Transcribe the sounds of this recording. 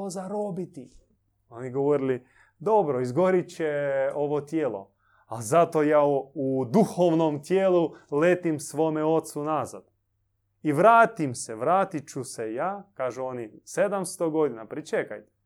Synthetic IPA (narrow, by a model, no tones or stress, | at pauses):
ozaɾobit̪i | o̞niɡoʋoɾili | d̪o̞bɾoizɡoɾit͡ɕeo̞ʋot̪jeːlˠo̞̰ | alzat̪ojaːud̪uxoʋnomt̪jeːluleːt̪imsʋomeo̞t̪sunaza̰d̪̥ | iʋɾaːt̪imseʋɾaːt̪it͡ʃusejaːkaːʒuonised̪amst̪oɡo̞d̪inapɾit͡ʃeka̰jt̪e̥